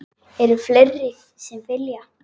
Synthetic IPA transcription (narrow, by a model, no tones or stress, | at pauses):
ɛɾʏflerːɪ | sɛmfɪlja